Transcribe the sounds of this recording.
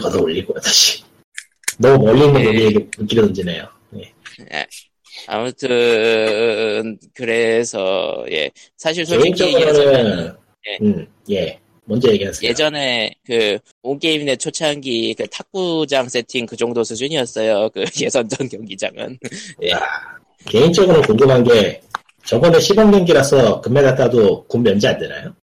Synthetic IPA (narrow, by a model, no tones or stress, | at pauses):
kadooʎːiɡoataɕʰi̥ | nʌmumʌʎːinɡenoieɡeɯk͈iɾʌnɯnd͡ʑinejo | je̞ | jḛ | a̰mutʰɯ | nkɯɾe̞sʰʌ̰je̞̰ | sʰaɕ̬ʰiɭs̬ʰoikt͡ɕ͈ʌɯɾʌɾɯ | je̞ɯ | je̞ | mʌnd͡ʑʌjeɡiɦasʰeje̞d͡ʑʌne̞kɯ | onk͈eimine̞t͡ɕʰot͡ɕʰanɡikɯtʰak̚k͈ud͡ʑaŋs͈e̞tʰiŋkɯd͡ʑʌŋdosʰɯd͡ʑʰɯɲiʌs͈ʌjokɯje̞sʰʌnd͡ʑʌnkjʌŋɡid͡ʑa̰ŋɯ̰njea | ke̞int͡ɕ͈ʌɡɯɾɯnkoŋɡɯmɦanɡe̞ | t͡ɕʌɡʌneɕʰibʌŋɡjʌŋɡiɾasʰʌkɯmːedat͈adokomːjʌnd͡ʑiandɯna̰jo